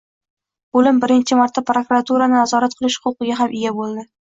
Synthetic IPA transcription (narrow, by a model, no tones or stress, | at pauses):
b̥olɪmbɪɾɪnt͡ʃʰɪmaɾt̪ːapɾokuɾat̪ʰuɾanɪnazɒɾat̪̚qʰɨlˠɪʃχʊlˠqɨɡʲaɦamʔɪjʲabolˠd̪ɪ